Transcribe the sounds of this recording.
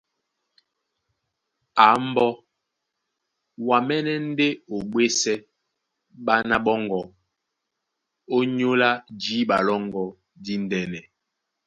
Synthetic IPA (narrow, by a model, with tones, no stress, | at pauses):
a˨˦m˦bɔ˦ | wa˨mɛ˦nɛ˦n̩˦de˦o˨ɓwe˦sɛ˦ | ɓa˦na˦ɓɔ˦ŋɡɔ˨ | o˦ɲo˦la˦d͡ʒi˨˦ɓa˨lɔ˦ŋɡɔ˨ | di˦n˦dɛ˨nɛ˨